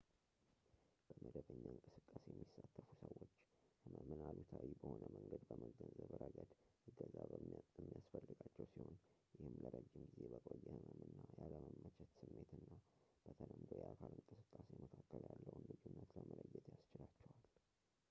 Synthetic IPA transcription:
b̥əməd̪əβəɲːaɨŋkʼɨsɨkʼːasejɛmːisːat̪ʰːəfusəwːo̞t͡ʃːhɨməmɨnalut̪ʰawibəho̞nəməŋɡəd̪bəməɡənzəβɾəɡəd̪ɨɡəzamːijasfəlːɨɡat͡ʃːɛwsiho̞n | jɪhɨmləɾəd͡ʒːɪmɡizebəkʼojːɛhɨməmɨnːajaləməmːət͡ʃʰɛt̪sɨmːe̞t̪ɨnːab̥ət̪ʰələmd̪o̞jɛʔakʰalɨŋkʼɨsɨkʼːaseməkʰakːəljalːəwnlɨd͡ʒunːət̪ləmələjːɛt̪jast͡ʃɪlat͡ʃːɛwal

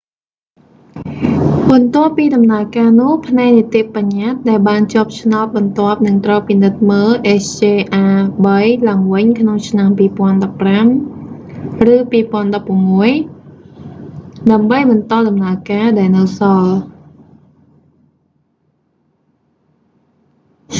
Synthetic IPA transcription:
ɓɑnt̪ŏəpːiːɗɑmnaəkaːnʊ̆əhpʰnaɛk̚niət̪iəʔpaɲːat̪̚ɗaɛlɓaːnt͡ɕŏəp̚t͡ɕʰnaɔt̪̚ɓɑnt̪ŏəp̚nɨŋt̪rəpinɨt̪̚məːlʔet͡ɕʰeːʔaːɓəjlaəŋʋɨɲkʰnoŋt͡ɕʰnampiːpŏənɗɑpːram | rɨːpiːpŏənɗɑpːŭəmːuəj | ɗaəmɓəjɓɑnt̪ɑːɗɑmnaəkaːɗaɛlnɨwsɑl

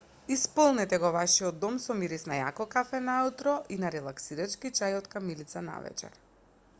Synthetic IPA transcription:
ispɔlˠnɛt̪ɛɡɔvaʃiɔd̪ːɔmsɔmiɾisnaja̰kɔkafɛnaut̪ɾɔʔinaɾɛlˠaksiɾat͡ʃkit͡ʃajɔt̪kamilit̪sana̰vɛ̰t͡ʃɛ̰ɾ

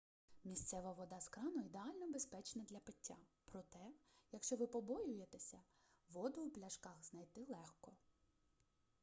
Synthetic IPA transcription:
mʲisʲt̪sɛʋɐʋɔd̪ɑskɾɑnɔid̪eɑlʲnɔbespɛt͡ʃnɐd̪lʲɐpɪtʲːapɾɔt̪ɛjɐkʃt͡ʃɔʋɪpɔbɔjʊjet̪esʲɐ | ʋɔd̪ʊuplʲɐʃkɑxznɐjt̪ɪlˠɛxkɔ

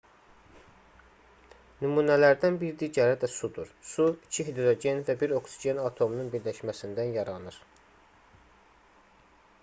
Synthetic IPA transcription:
nymuːnælæɾd̪ænbiɾd̪iɟæɾæd̪æsud̪uɾsuicʰiɦed̪ɾo̞ɟe̞nvæbiɾo̞ksid͡ʒe̞nɑt̪ʰo̞mununbiɾlæʃmæsind̪ænjɑɾɑnɯɾ

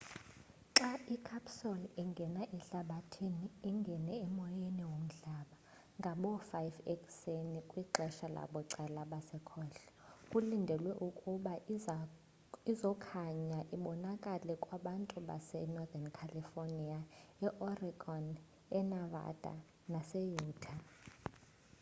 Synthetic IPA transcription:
ǁaikʰapsɔliŋɡʱɛnaʔɛɬaɓatʰiniːŋɡʱɛnɛːmɔjɛniwom̩ɮaɓa | ŋɡʱaɓɔfajvɛkʼsenikʼwiǁʱɛʃala̰ɓɔǀɛlaɓasɛkʰɔːɬɔ̥kʼulindʱɛlwɛʔukʼuɓa | izɔkʰaɲaʔiɓɔnakʼalɛkʼwaɓantʼuɓa̰sɛnɔðankʰalifoniaɛʔɔriɡʱɔn | ɛnava̰d̥ʱa̰ | nasɛjuːtʰa

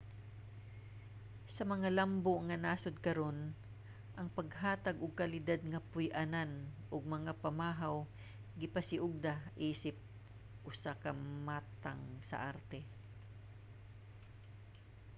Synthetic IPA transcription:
sɐmɐŋalamboŋɐnaːsod̪̚kɐɾo̞n | ʔɐŋpɐɡɦaːt̪ɐɡʔʊɡ̚kɐlɪd̪ad̪̚ŋɐpʊjʔananʔoɡ̚mɐŋapɐmaːɦaw | ɡɪpɐsɪʔʊɡ̚d̪aʔiːsɪp̚ | ʔʊsakɐmaːt̪a̰ŋsɐ̰ʔaɾt̪ɛ

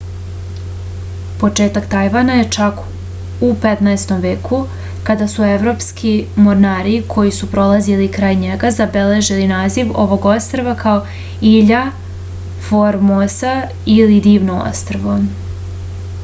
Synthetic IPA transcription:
po̞t͡ʂe̞ːt̪akt̪ajʋanaje̞t͡ʃak | upe̞t̪naest̪o̞mʋe̞ːkʰu | kad̪asue̞ʋɾo̞ːpskimoɾnaːɾikʰo̞jisupɾo̞lˠazilikɾaːjɲeɡazabe̞le̞ʒilinaːziʋo̞̰ʋo̞ɡo̞st̪ɾoʋakʰao | iʎa | foɾmosa | ilid̪iːʋnoo̰st̪ɾʋo

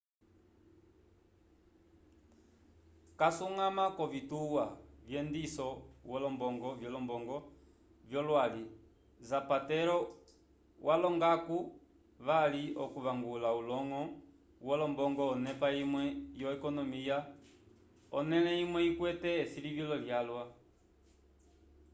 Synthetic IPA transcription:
kasuŋamakɔvituwavjɛndisɔwɔlɔmbɔŋɡɔvjɔlɔmbɔŋɡɔ | vjɔlwali | zapatɛɾɔ | wʔalɔŋɡaku | βaliɔkuβaŋɡulaulɔŋɔ | wɔlɔmbɔŋɡɔːnɛpaimwɛjɔɛkɔnɔmija | ɔnɛlɛimwɛikwɛtɛːsilivjɔlɔljalwa

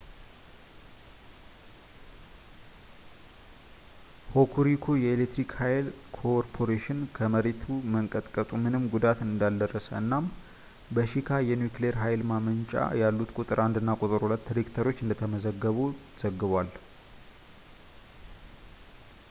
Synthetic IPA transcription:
ho̞kʰuɾikʰojɛelet̪ːɾikhajlkʰoɾpʰo̞ɾeʃɪnkʰəməɾet̪ʰuməŋkʼət̪ʼkʼət̪ʼumɨnɨmɡud̪at̪ɨnɨnd̪ald̪ərːəsəɨnːam | bəʃikʰajɛnjukleɾɦajlmamənt͡ʃʼa̰jalːut̪kʼut̪ʼɨɾand̪ɨnːakʼut̪ʼɨɾhulət̪ːɾekt̪ʰəɾo̞t͡ʃːɨnd̪ət̪ʰəməzəɡːəβu | z̥əɡːɨβwal

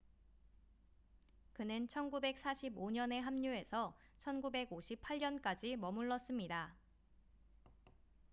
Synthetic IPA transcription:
kɯnɯnt͡ɕʰʌnɡube̞k̚s͈ʰaɕʰiboɲʌne̞ɦamɲue̞sʰʌ | t͡ɕʰʌnɡube̞ɡoɕʰipʰaɭɲʌnk͈ad͡ʑimʌmuɭːʌs͈ɯmɲida

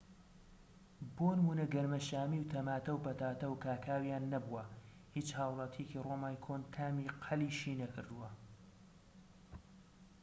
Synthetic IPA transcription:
boːnɨmuːnɐɡɐɾmɐʃaːmiːwt̪ʰɐmaːt̪ɐwpɐt̪aːt̪ɐwkaːkʰaːwijaːnːɐbuwɐ | hiːt͡ʃhaːwlˠɑt̪ʰijeciroːmaːjkʰoːnt̪ʰaːmiːqʰɐliːʃiːnɐkʰɨɾd̪uwɐ

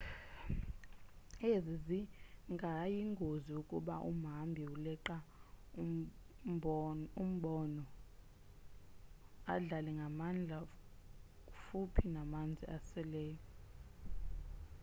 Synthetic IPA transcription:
eziziŋɡʱajiŋɡʱoziukʼuɓa̰ʔṵm̤ambʱiulɛǃa | um̩ɓɔnɔ | aɮalɛŋɡʱamand͡ɮʱa | fupʰinamand͡zʱḭʔasɛlɛːjɔ

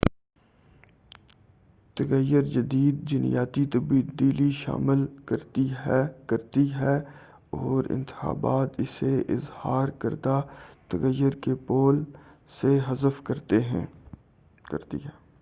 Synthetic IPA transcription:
t̪əɣəjəɾd͡ʒɐd̪iːd̪̚d͡ʒɪnɪ̰jaːt̪it̪ɐbd̪iːliʃa̰ːmɪlkəɾt̪iɦɛkɐɾt̪iɦɛː | ɔːɾɪ̰̃nt̪ɪ̥xa̰ːbaːt̪ɪseʔɪzhaːɾkə̰ɾd̪at̪əɣəjːəɾkepoːlseɦɐzəfkɐɾt̪eɦɛ̰̃ | kə̰ɾt̪ḭɦɛː

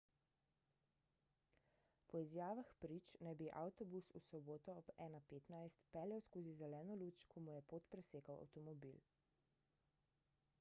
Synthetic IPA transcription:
pɔizjaːʋaxpɾit͡ʃnajbiʔawt̪ɔbususɔboːt̪ɔːbɛːnapeːt̪najst̪pɛːljawskoːzizɛlɛːnɔluːt͡ʃkʰɔmujɛpoːt̪pɾɛseːkawa̰wt̪ɔmɔbil

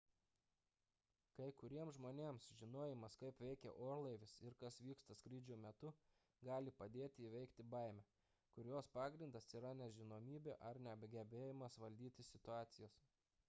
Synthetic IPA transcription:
kɐɪkʊɾʲiɛmszʒmoːnʲeːmsʒʲɪnoːjɪmɐskɐɪpʋʲɛɪkʲɛ̰ʔoːɾlˠɐɪʋʲɪsɪɾkɐsʋʲiːkst̪ɐskɾʲiːd͡ʒʲuːmʲɛt̪ʊ | ɡɑːlʲɪpɐd̪ʲeːt̪ʲɪːʋʲɛɪkt̪ʲɪbɐɪmʲɛ | kʊɾʲjoːspɑːɡɾʲɪnd̪ɐsiːɾɐnʲɛʒʲɪnoːmʲiːbʲeːʔɐɾnʲɛɐbʲɡʲɛbʲeːjɪmɐsʋɐlʲd̪ʲiːt̪ʲɪsʲɪt̪ʊɑːt̪sʲɪjoːs

